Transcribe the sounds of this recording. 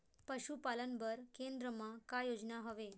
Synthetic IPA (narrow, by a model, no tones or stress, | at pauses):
pəɕupalənbəɾkend̪ɾəmakajod͡znaɦəʋe